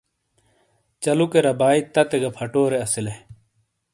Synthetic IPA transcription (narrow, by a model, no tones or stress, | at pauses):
t͡ɕɐlukeɾɐbaːit̪ɐt̪eɡɐpʰɐʈoːɾeɐsile